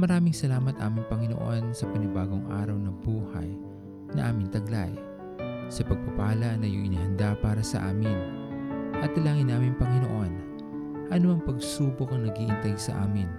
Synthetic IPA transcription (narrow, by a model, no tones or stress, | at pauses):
mɐɾaːmɪŋsɐlaːmɐt̪ʔaːmɪŋpɐŋɪnoʔo̞nsɐpɐnɪbaːɡo̞ŋʔa̰ːɾɐwnɐbuːhɐ̰j | nɐʔaːmɪnt̪ɐɡla̰j | sɐpɐɡ̚pɐpaːlɐnɐjoŋʔɪnɪhɐnd̪apaːɾɐsɐ̰ʔa̰ːmɪn | ʔɐt̪̚ːɐlaːŋɪnːaːmɪŋpɐŋɪno̰ʔo̞n | ʔɐnoɐŋpɐɡsuːbokɐŋnɐɡiʔɪnt̪ɛɡsɐ̰ʔa̰ːmɪn